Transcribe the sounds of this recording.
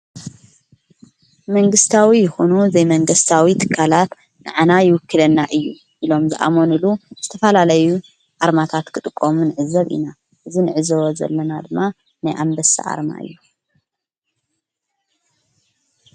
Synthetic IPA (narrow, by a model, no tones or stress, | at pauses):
mɐŋɡɨst̪ʰawijɪxonuzɐjmɐŋɡɨst̪ʰawit̪ʰɨ̥kʰːalat̪ | nɨʕanajɪwʊkʰːɨlɐnːaʔɨjːu | ʔilo̞mzɨʔa̰mo̞nɨluz̥ɨt̪ʰɐfɐlalɐju | ʔaɾmat̪ʰat̪kʰɨt̪ʼɨkʼːomunɨʕɨzɐβʔḭna | ʔɨzinɨʕɨzɐwozɐ̰lːɐnad̪ɨmːa | najʔambɐsa̰ʔa̰ɾma̰ɨ̰jːu